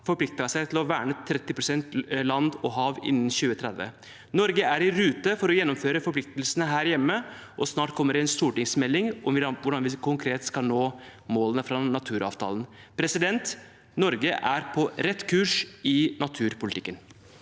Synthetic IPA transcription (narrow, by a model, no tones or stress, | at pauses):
fɔɾplɪk̚t̪ɑsæɪt̪ʰɪlɔʋæ̰ːɳət̪ʰːɾɛt̪ːɪpɾʊsɛnt̪lɑnd̪ɔɦɑːʋɪ̰nːn̩çʉːət̪ʰɾɛd̪ʋə̰ | nɔɾɡəæɾɪɾʉːt̪əfɔɾɔjɛnːɔmføːɾəfɔɾplɪk̚t̪əlsənəɦæːɾjɛmːə | ʔɔsnɑːʈkʰɔmːəɖɛɪnst̪uːʈɪŋsmɛlːɪŋʔɔmʋʋʊɖɑnʋɪkʰʊŋkʰɾeːt̪skɑlnoːmoːlənəfɾɑnɑt̪ʰʉːɾɑ̰ːʋt̪ʰɑ̰ːlən | pʰɾɛsɪd̪ɛnt̪ | nɔɾɡəʔæɾpʰɔɾɛt̪ːkʰʉːʂɪnɑt̪ʰʉːɾpʊlɪt̪ɪkːən